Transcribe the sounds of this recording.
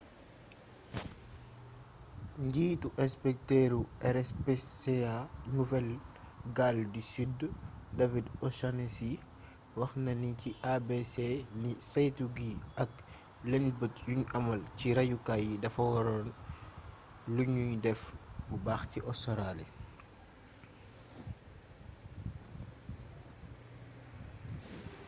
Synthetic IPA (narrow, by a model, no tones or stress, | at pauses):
ɲɟiːtuʔɛspɛk̚tɛɾuʔɛɾɛspɛsɛanuvɛlɡaldisyddavidɔsanesi | wɐxnɐniciʔabesenisajtuɡiɐk̚ | lɛnbətjuɲɐmɐlciɾɐjukajidɐfɐwɔɾɔn | luɲujdɛfbubaːxtiʔɔsɔɾalḭ